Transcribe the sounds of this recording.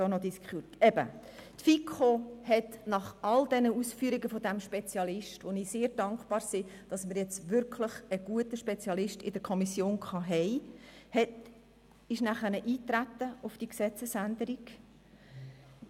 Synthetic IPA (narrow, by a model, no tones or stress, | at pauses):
doːnɔd̪iskχutɛb̥ə̰ | tfikʰχohɛtnɑχɑld̥ɛnəusfyːɾiɡəfod̪æmʃpet͡sjɑlɪʃtvoniːseːɾd̥ɑŋkχb̥ɑːɾsɪd̥ɑsməɾjɛt͡sʋʏɾkʰləχəɡ̥uətəʃpɛt͡sjɑlɪʃtɪd̥əɾkʰɔmisjoːnkχɑɦɛɪhɛt | ɪʃnæχənəʔiːtɾæt̪ːəʊfd̥iksɛt͡səsænd̪əɾiɡ̥